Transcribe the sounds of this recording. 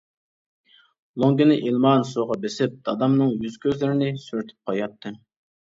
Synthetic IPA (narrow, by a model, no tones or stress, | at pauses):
lˠoŋɡʲinɪʔilˠmɑnsoʁɑbesɪp̚d̪̥ɑd̪ɑmnɨŋjyz̥kʲʰøzlɪɾɪnɪsyɾyt̪ʰɪ̥p̚qʰɑjɑt̪ʰːɨ